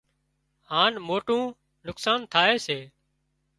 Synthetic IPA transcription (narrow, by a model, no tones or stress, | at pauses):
haːnmoːʈũː | nʊksaːnt̪ʰaːeːseː